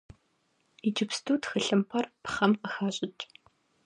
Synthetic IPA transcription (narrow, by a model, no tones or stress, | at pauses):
id͡ʒɪpstʰuːtxɨɬɨmpʰɐrpχɐmqəxaːɕʼɪt͡ʃʼ